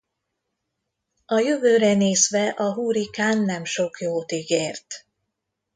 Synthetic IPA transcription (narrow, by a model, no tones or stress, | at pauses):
ɒjøvøːɾɛneːzʋɛʔɒɦuːɾikaːnːɛmʃo̞kjoːt̪iɡeːrt̪